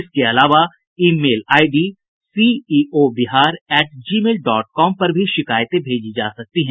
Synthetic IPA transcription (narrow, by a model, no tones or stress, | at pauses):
ɪskeɐlaːʋa | iːmeːlaːɪɖiː | siːiːobɪɦaːɾɛːʈ̚d͡ʒiːmeːlɖɔːʈ̚kɔːmpɐɾbʱiʃɪkaːjt̪ẽbʱeːd͡ʒid͡ʒa̰ːsɐk̚t̪iɦɛ̃ː